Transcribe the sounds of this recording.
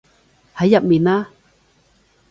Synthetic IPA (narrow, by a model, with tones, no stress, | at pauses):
ha˨˦ja˨p̚mi˨˩na˦˥